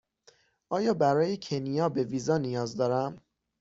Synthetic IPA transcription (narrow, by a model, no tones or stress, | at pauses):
ʔɒːjɒːbæɾɒːjecʰe̞nijɒːbe̞viːzɒːnijɒːzd̪ɒːɾæm